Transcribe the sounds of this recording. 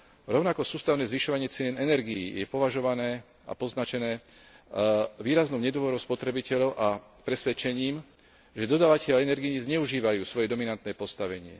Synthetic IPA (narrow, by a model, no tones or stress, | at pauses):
ɾɔʊnakɔsuːst̪aʊnɛːzʋiʃɔʋaɲɪɛt͡sɪɛnɛnɛɾɡiḭːjɛpɔʋaʒɔʋanɛː | ʔa̰pɔznat͡ʃɛnɛː | ʋiːɾaznɔʊɲɛd̪ʋɔɾɔʊspɔt̪ɾɛbicɛʎɔʊʔa | pɾɛsʋɛt͡ʃɛɲiːm | ʒɛd̪ɔd̪aːʋacɛʎaɛnɛɾɡiɲizɲɛuʒiːʋajuːsʋɔjɛd̪ɔminant̪nɛːpɔst̪aʋɛɲɪɛ̰